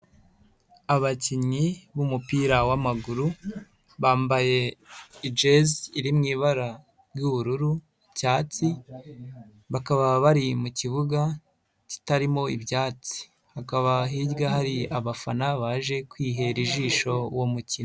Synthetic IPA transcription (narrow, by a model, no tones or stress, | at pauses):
aβaciɲiβumupiːɾawamaɡuɾu | βaːmbaje̞id͡ʒeziɾimŋiːβaɾa | bjuβuɾuɾu | caːt͡si | βakaβaβaɾimuciβuɡa | ci̥taɾimo̞ibjaːt͡si̥ | hakaβaɦiɟɡaɦaɾiaβafanaβaːʒe̞kwiːɦe̞ɾiʒiːʃo̞womucino